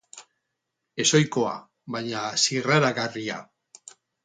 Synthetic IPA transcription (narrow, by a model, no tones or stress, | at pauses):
e̞so̞jko̞a̰ | βaɲasiraɾaɣaria̰